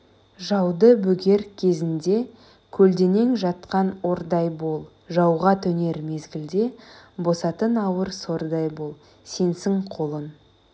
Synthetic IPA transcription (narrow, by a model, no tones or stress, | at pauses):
ʒɑwd̪əbɵɡʲe̞ɾkʲʰe̞zɪnd̪e̞ | kʲʰɵld̪e̞ne̞ŋʒɑt̪qɑno̞ɾd̪ɑjbo̞lˠ | ʒɑwʁɑt̪ʰɵne̞ɾme̞zɡʲɪld̪e̞bo̞sɑt̪ənɑwəɾso̞ɾd̪ɑjbo̞lˠ | se̞nsɪŋqʰo̞lˠən